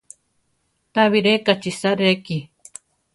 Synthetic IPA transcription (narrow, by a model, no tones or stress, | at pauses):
t̪aβiɾekat͡ʃisaɾeki